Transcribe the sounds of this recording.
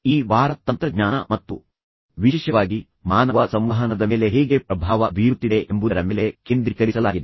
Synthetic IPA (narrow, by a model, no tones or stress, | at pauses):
iːʋaːɾɐt̪ːɐnt̪ɾɐɡɲaːnɐmɐt̪ːu | ʋiʃɛːʃɐʋaːɡi | maːnɐʋɐsɐmʋɐɦɐnɐd̪ɐmeːle̞ɦeːɡe̞pɾɐbʱaːʋɐbʱijɾut̪ːid̪e̞ʔembud̪ɐɾɐmeːle̞keːnd̪ɾikɐɾisɐlaːɡid̪e